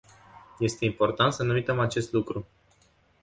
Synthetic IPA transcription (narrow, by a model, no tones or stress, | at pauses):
je̞st̪e̞impo̞rt̪ant̪sənuujt̪əmat͡ʃe̞st̪lukɾu